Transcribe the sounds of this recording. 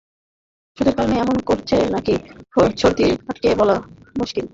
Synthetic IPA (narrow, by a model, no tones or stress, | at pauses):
ʃud̪eɾkalneɛmonkoɾt͡ɕʰenakit͡ɕʰoɾt̪iɾaʈkebɔlamuʃkil